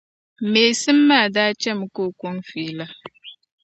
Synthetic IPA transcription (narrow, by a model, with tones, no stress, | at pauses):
meː˨si˦mːa˦˨da˦t͡ʃɛ˦mu˨ko˦kʷɔ˦ŋfiː˨la˦